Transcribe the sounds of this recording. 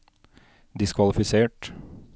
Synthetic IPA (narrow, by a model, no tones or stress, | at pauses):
d̪ɪskʰʋɑlɪfɪseːʈ